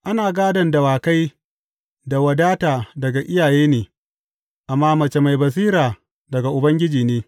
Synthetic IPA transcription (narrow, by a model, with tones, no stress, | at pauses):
ʔa˦naː˨ɡaː˦dɐ˨ndɐ˨waː˨ka˦j | da˨wɐ˨daː˦taː˨dɐ˨ɡa˨ʔɪ˦jaː˨jeː˦neː˨ | ʔa˨mːaː˦mɐ˨t͡ʃe˨ma˨jbɐ˨s̬iː˦ɾaː˨ | dɐ˨ɡa˨ʔʊ˨bɐ˦ŋɡʲɪ˦d͡ʒiː˨neː˦